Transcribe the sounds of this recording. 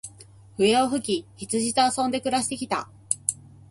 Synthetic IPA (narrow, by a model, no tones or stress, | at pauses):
ɸɯ̟eoɸɯ̟kʲiçit͡sɨʑit̪oasõ̞nd̪e̞kɯ̟ɾaɕi̥t̪ekʲi̥t̪a̰